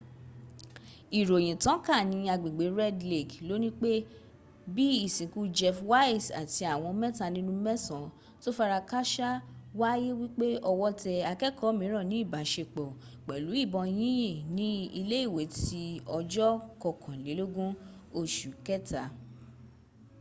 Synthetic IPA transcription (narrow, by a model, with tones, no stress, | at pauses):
i˨ɾo˨j̃ĩ˨tã˨˦ka˦˨nĩ˨˧˦a˧ɡ͡bĩ˨ɡ͡be˨˦ɾɛ˦dle˨ɡlo˦nĩ˦k͡pe˦ | bi˦i˦˨sĩ˨˦ku˦d͡ʒɛ˦˧fwa˦i˦˨sa̰˨ti˧˦a˨w̃ɔ̃˧mɛ̃˦ta˧˨nĩ˦nũ˦mɛ˦sɔ̃˨ | to˦fa˦ɾa˧ka˦ʃa˦wa˦je˦wi˦k͡pe˦ɔ˧wɔ˦tɛ˧a˧kɛ˦kʰɔ˨˦mĩ˨˦ɾ̃ɔ̃˦˨nĩ˨˦i˦˨ba˨˦ʃe˧˨k͡pɔ˨ | k͡pɛ˨lu˨˦i˦˨bɔ̃˧j̃ĩ˦ĩ˦˨nĩ˨˦i˧le˦i˦˨we˨˦ti˧˦ɔ˧d͡ʒɔ˦kɔ˧˨kʰɔ̃˨le˨˦lo˦ɡũ˦o˧ʃu˨kɛ˦ta˨